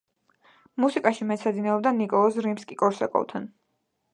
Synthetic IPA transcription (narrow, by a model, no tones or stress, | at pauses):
musikʼaʃimɛt̪sad̪inɛɔb̚d̪anikʼɔlˠɔsɾimskʼikʼɔɾsɛkʼɔ̰lˠt̪ʰan